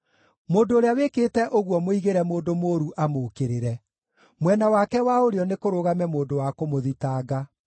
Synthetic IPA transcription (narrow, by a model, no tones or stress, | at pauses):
moːndoːɾeawekeːtɛʔoɣwɔmoiɣeɾɛmoːdomoːɾuʔamokeɾeɾɛ | mwɛnawakɛwaoɾeɔnekoɾoɣamɛmoːndowakomoðitaːɡa